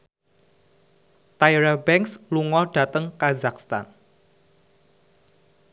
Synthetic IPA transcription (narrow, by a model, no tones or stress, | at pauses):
t̪ajɾabɛŋksluŋɔɖ̥ä̤t̪əŋkazakst̪a̰n